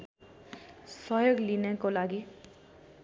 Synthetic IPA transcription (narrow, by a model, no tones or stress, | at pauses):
sʌjoɡlinekolaɡi